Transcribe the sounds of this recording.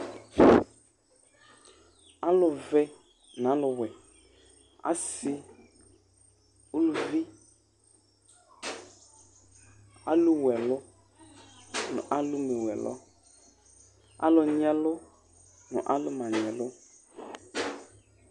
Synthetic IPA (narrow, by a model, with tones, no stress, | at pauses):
a˦lʊ˨vɛ˦ | nã˨˦lʊ˨wɛ˨ | a̰˦sɪ˦ | u˦lu˨vi˦ | a̰˦lu˦wɛ˨lʊ˦ | nʊ̰̃˨ʔa˦lu˦mɛ˨wɛ˨lʔɔ̰˦ | a̰˦lʊ˨ɲɛ˦lʊ˦ | nʊ̰̃˨ʔa˦lʊ˦mã˨ɲ˨ɛ̃˨lʊ˦